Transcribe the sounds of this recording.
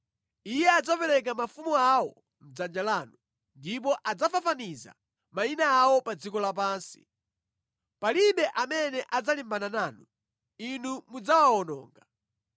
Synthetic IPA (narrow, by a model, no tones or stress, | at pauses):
ijɛad͡zapɛlɛk̬amafumuawɔ | m̩d͡zand͡ʒalaːnu | ndip̬ɔʔad͡zafafaniza̰ | mainaːwɔpad͡zikɔlap̬aːnsi̥̰ | paliɓɛʔamɛnɛʔad͡zalimbananaːnu | inumud͡zawaɔnɔ̰ːŋɡa